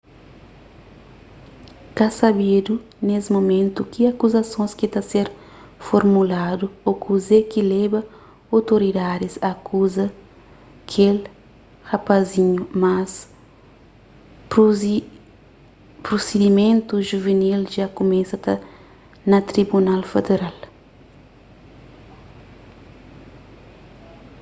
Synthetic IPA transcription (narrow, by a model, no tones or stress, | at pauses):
kasabid̪u | nesmomẽnt̪ukiakuzɐsõskɪt̪aseɾ | foɾmulad̪uokuzekɪlɛbɐ | awt̪oɾid̪ad̪ɪsɐkuzɐ | kʰel | hɐpaziɲumas | pɾosed̪imẽnt̪uʒuvenilʒakumẽsɐt̪ɐ | nɐt̪ɾibunalfed̪eɾal